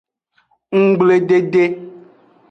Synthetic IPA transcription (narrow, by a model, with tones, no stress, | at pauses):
ŋ̩˦ɡ͡ble˨ɖe˦ɖe˦